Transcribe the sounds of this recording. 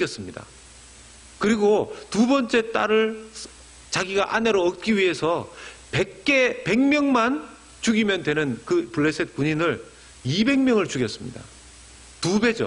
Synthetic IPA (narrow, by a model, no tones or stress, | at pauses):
jʌs͈ɯmɲida̰ | kɯɾiɡotubʌnt͡ɕ͈e̞t͈aɾɯɭ | t͡ɕaɡiɡaʔane̞ɾoʌt̚k͈iɥiɦe̞sʰʌpek͈epe̞ŋmjʌŋman | t͡ɕuɡimjʌndwe̞nɯnkɯpuɭːe̞sʰet̚k͈uɲinɯɭ | ibe̞ŋmjʌŋɯɭt͡ɕuɡjʌs͈ɯmɲḭda̰ | tube̞d͡ʑo̰